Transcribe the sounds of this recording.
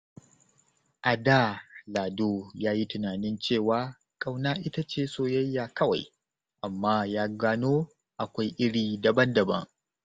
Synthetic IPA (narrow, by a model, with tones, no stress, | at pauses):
ʔa˨daː˦˨laː˨doː˦jaː˦ji˦tʊ˨naː˨nɪ˦nt͡ʃeː˦˨waː˦ | kʼa˦wnaː˦ʔɪ˦ta˦t͡ʃeː˦˨soː˦jɐ˦jːaː˨kɐ˦wa̰˨j | ʔa˨mːaː˦jaː˦ɡaː˦noː˦ | ʔa˨kʷa˦jʔɪ˦ɽiː˨dɐ˨bɐ˦ndɐ˨bɐ̰˦ŋ